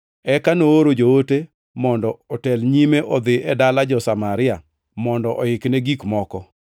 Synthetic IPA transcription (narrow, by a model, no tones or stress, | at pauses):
ɛkanooɾod͡ʒoote | mɔndɔɔtɛlɲimeʔɔd̪ɪʔɛdalad͡ʒɔsamaɾɪa | mɔndɔʔɔɪknɛɡikmɔkɔ